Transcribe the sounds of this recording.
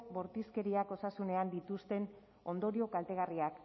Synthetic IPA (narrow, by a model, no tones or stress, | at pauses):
bo̞ɾt̪iske̞ɾiako̞sasune̞and̪it̪ust̪e̞n | o̞nd̪o̞ɾio̞kalt̪e̞ɣ̞ariak